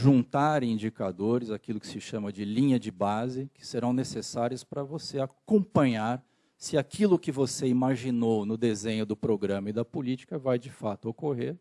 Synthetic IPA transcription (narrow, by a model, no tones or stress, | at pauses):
ʒũnt̪aɾĩd͡ʒikad̪oɾɪzakilʊkɪ̥sɪʃɐ̃mɐd͡ʒɪlĩɲɐd͡ʒɪbazɪkɪ̥seɾɐ̃w̃nesesaɾiʊspɾɐvoseakõpɐ̃ɲaɾ | sɪakʰilʊkɪvoseimaʒinownʊd̪ezẽɲʊd̪ʊpɾoɡɾɐ̃mɐɪd̪ɐpʊlit͡ʃi̥kɐvajd͡ʒɪfat̪ʊokoɦeɾ